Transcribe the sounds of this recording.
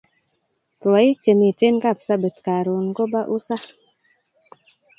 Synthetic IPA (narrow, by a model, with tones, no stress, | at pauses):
ɾwa˨i˦t͡ʃe˨mi˨te˦nka˦˨psa˦be˨t̪ka˨ɾu˨nɡo˦ba˦ʔu˦sa˦